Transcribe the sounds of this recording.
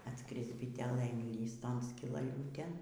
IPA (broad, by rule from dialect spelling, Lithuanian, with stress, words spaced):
ɐtˈskrʲɪs bʲɪˈtʲæːlʲeː ɪnʲˈlʲiːs ˈtoːn sʲkʲɪlˠɐˈlʲuːtʲeːn